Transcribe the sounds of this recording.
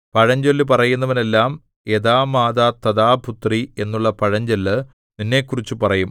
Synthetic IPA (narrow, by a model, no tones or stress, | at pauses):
pɐɻɐɲd͡ʑɐlːɨpɐrɐjunːɐʋine̞lːaːm | e̞ðaːmaːd̪aːt̪ɐðaːbʱut̪rie̞nːuɭːɐpɐɻɐɲd͡ʑɐlːɨ | ninːe̞ːkːurit͡ɕːupɐrɐjum